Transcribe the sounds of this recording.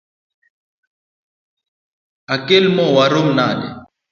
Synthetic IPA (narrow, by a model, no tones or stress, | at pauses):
akɪlmɔwaɾʊm̩naːlɛ̰